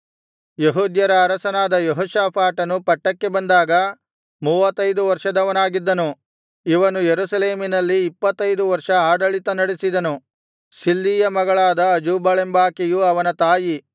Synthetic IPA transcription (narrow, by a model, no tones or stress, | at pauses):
jeɦuːd̪jɐɾɐːɾɐsɐnaːd̪ɐjɔɦɔːʃaːpʰaːʈɐnupɐʈːɐkːe̞bɐnd̪aːɡɐ | muːʋɐt̪ːɐjd̪uʋɐɾʂɐd̪ɐʋɐnaːɡid̪ːɐnu | iʋɐnujeɾusɐle̞ːminɐlːiːpːɐt̪ːɐjd̪uʋɐɾʂɐaːɖɐɭit̪ɐnɐɽesid̪ɐnu | silːiːjɐmɐɡɐɭaːd̪ɐːd͡ʒuːbɐɭembaːkijuɐʋɐnɐt̪aːji